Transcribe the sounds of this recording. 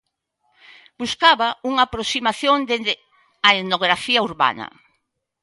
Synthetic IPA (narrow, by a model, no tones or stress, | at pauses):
b̥uskaβɐuŋaːpɾosimaθjond̪ed̪ɪ | aeðnoɣ̞ɾafiɐuɾβa̰nɐ̰